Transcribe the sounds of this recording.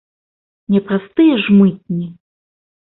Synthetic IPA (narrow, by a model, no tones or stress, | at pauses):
nʲɛpɾast̪ɨjɛʐmɨt̪̚ʲnʲi